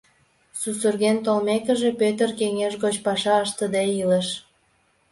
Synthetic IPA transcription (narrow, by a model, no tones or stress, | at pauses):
susurɣent̪olmekə̆ʒepøt̪ərkeŋeʃɣot͡ɕpɑʃɑəʃt̪əd̪eiləʃ